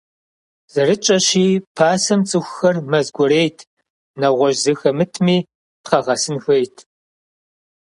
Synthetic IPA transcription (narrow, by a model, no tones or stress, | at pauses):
z̥ɐɾɨt͡ʃʼɐɕiːpʰaːsɐmt͡sʼɨxʷxɐrmɐzɡʷɔɾejtʰ | nɐʁʷɔʒzɨxɐmɨtʰmiː | pqɐʁɐsɨnxejtʰ